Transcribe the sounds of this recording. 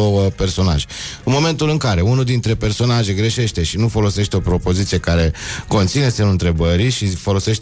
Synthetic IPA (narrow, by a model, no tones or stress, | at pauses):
owəpe̞rso̞na̰ʒeɨnmo̞me̞nt̪ulɨŋkaɾe̞unuld̪int̪ɾe̞pe̞rso̞naʒeɡɾe̞ʃe̞ʃt̪e̞ʃinufo̞lo̞se̞ʃt̪eo̞pɾo̞po̞zit̪sie̞kaɾe̞ko̞nt̪sinesemluɨnt̪ɾe̞bəɾiʃifo̞lo̞se̞ʃt̪